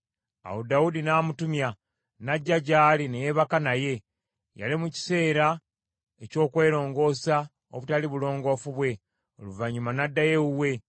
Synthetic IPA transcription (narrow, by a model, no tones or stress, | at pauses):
a̰wodaudinaːmutumja | naɟːaɟaːline̞jeβakanaje̞ | ja̰limuci̥se̞ːɾa | eco̞ːkwe̞ːɾo̞ːŋɡo̞ːsa | o̰βutaliβulo̞ːŋɡo̞ːfuβwe̞ | o̞̰luvaɲumanadːaje̞wuwe̞